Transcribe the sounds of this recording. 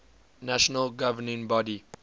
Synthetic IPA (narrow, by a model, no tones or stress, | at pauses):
naʃɔnəlɡavənĩnbɔdi